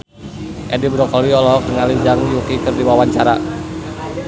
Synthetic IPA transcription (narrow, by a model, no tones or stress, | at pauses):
ʔɛdibɾɔkɔliɔlɔɦɔk̚dəŋalid͡ʒaŋjukikərdiwawaɲt͡ʃaɾa